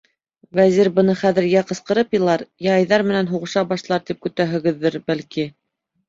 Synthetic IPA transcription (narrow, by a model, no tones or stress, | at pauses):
væziɾbɤ̆nɤχæðɘ̆ɾjæqɤ̆sqɤ̆ɾɤpjɤ̆lˠɑɾjɑjðɑɾmɘ̆nænɦuʁɤ̆ʃɑbɑʃlˠɑɾt̪ip̚kɵ̆t̪æɦɘ̆ɡɘ̆ðːɘɾbælki